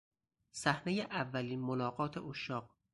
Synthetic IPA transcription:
sæhne̞jeʔævːæliːnmolɒːɢɒːt̪ʰeʔoʃɒːq̚

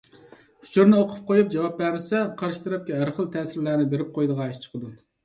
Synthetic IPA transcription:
u̥t͡ʃʰuɾnɨoqʰʊ̥p̚qojup̚d͡ʒɑwɑp̚bæɾɾɪsɛqʰɑɾʃi̥t̪ʰɾɛp̚kʲɛæɾχəlˠt̪ʰɛːsɪɾlæɾnɪbeɾɪp̚qʰojd̪əʁɑeʃt͡ʃʰə̥qʰəd̪u

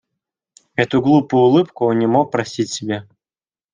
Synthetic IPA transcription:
ɛt̪ʊɡlˠupʊjʊlˠɨpkʊonːʲɪmok̚pɾɐsʲitʲsʲɪbʲa

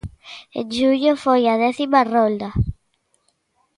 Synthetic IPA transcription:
ḛd͡ʒuʎofojɐðɛθimarold̪ɐ

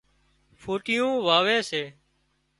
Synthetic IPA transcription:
foːʈɪjũːʋaːʋeːseː

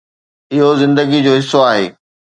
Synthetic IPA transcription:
ɪɦozɪ̃nd̪əɡid͡ʑoːɦɪsːoaːɦeː

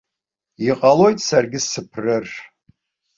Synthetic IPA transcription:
iqʼalo̞jtʼsarɡʲɪsɨpʰrɨr

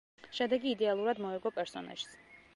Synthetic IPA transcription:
ʃɛd̪ɛɡiːd̪ɛalˠuɾad̪mɔɛɡɔpʼɛɾsɔna̰ʒ̥s

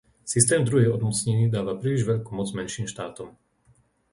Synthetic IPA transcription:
sist̪ɛːmd̪ɾuɦɛjɔd̪mɔt͡sɲɛɲiːd̪aːʋapɾiːliʒʋɛʎkumɔd͡zmɛnʃiːmʃt̪aːt̪ɔm

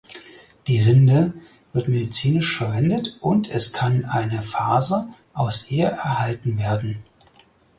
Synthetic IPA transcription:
d̥iːʁɪndə | vɪɐtmedit͡siːnɪʃfɛɐvɛndətʔʊntʰɛskʰanʔaɪnəfaːzəʔaʊsʔeːɐʔɛɐɦaltn̩veːɐdn̩

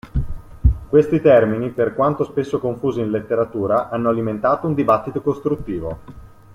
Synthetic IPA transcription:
kwest̪it̪ɛrminiperkwant̪ospesːokoɱfuːziinlet̪ːeɾat̪uːɾaʔanːoaliment̪aːt̪ound̪ibat̪ːit̪okost̪ɾut̪ːiːvo

